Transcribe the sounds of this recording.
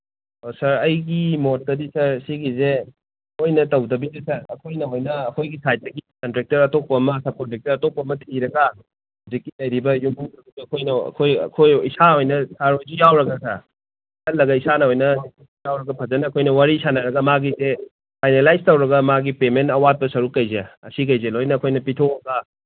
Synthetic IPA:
osɐɾɐjɡimot̚ːɐdisɐɾsiɡize | ojnɐtɐwdɐbizesɐɾɐkʰojnɐɦojnɐːkʰojɡisajt̚ːɐɡikɐntɾek̚tɐɾɐtok̚pɐmɐsɐb̚kontɾek̚tɐɾɐtok̚pɐmɐtʰiɾɐɡɐ | huzikːilɐjɾibɐjumbuŋdɐbiiɐkʰojnɐɐ̰kʰojɐ̰kʰojisaojnɐsaɾojd͡ʒujawɾɐɡɐsɐ | sɐlːɐɡɐisanɐojnɐ | jawɾɐɡɐpʰɐzɐnɐːkʰojnɐwaɾisanɐɾɐɡɐmaɡise | pʰajnelajstɐwɾɐɡɐmaɡipementɐwat̚pɐsɐɾukːɐjzeɐsikɐjzelojnɐkʰojnɐpitʰoɾɐɡɐ

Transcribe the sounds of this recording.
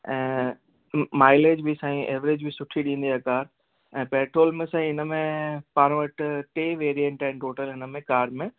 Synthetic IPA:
ɛ̃ː | maːɪleːd͡ʑbʱisãːĩʔeːʋɾeːd͡ʑbʱisʊʈʰiɗĩːn̆d̪iakaːɾ | ɛ̃ːpɛːʈʰɾoːlmẽsãːĩɪnəmẽpaːɾ̃ə̃ʋɐʈʰʈeːʋeːɾijə̃ɳʈɛ̃ːnʈoːʈəlɦɪnə̆mẽkaːɾmẽ

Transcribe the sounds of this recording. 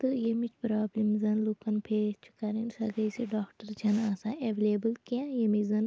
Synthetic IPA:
t̪ɨjemit͡ʃʰpɾaːblimzɐnlukɐnpʰet͡ʃʰu̥kaːɾinsɐɡɐjsiɖaːkʈəɾd͡ʒʰɐnaːsaːeʋeleːbəlkiãjemizɐn

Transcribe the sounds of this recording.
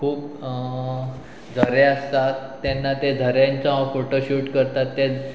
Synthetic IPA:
kʰuːp | d͡zʱəɾeəst̪at̪ːanːat̪ed͡zʱəɾjãnt͡sãfoʈoɕuːʈkəɾt̪at̪ːe

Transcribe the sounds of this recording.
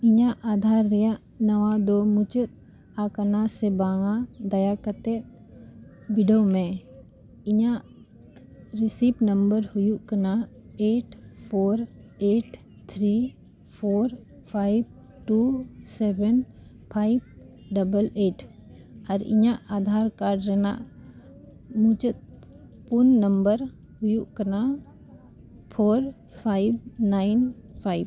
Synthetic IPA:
ɪɲãʔaːd̪ʱaɾːɛjaʔ | nəwad̪omut͡ʃət̪̚ | akənasɛbãŋãd̪ɐjakət̪ɛ | biɖomɛ̃ | ɪɲãʔ | ɾɪsiːpnəmbəɾhʊjuʔkəna | eːʈpʰoːɾeːʈ | t̪ʰɾiː | pʰoːɾ | pʰajb̚ | ʈusɛbən | pʰaib̚ | ɖəbəleːʈ | əɾɪ̰ɲãʔad̪ʱaɾkaɾɖɾɛna̰ʔ | mũt͡ʃət̪̚ | punːəmbəɾ | hujuʔkəɾna | pʰoːɾ | pʰajbːaɪnpʰaib

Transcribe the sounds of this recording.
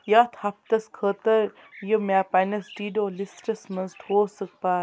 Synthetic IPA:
jaːt̪ʰhɐp̚t̪ɐskʰəːt̪ɐɾ | jəmaːpanɐsʈiːɖoːlisʈɐsmɐnzʈhoːsək̚paː

